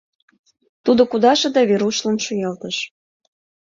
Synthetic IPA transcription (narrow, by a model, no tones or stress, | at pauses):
t̪ud̪okud̪ɑʃɤ̆d̪ɑβeɾuʃlənʃujɑlt̪əʃ